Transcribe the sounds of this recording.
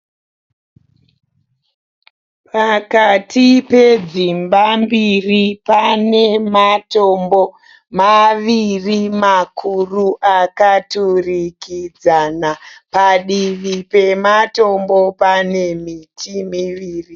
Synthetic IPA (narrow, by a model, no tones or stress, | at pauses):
pakatʰipe̞d͡zimbambiripanematombo | maʋirimakʰuruʔakaturikid͡zanapaɗiʋipe̞mato̞mbopane̞mitʰimiʋiːri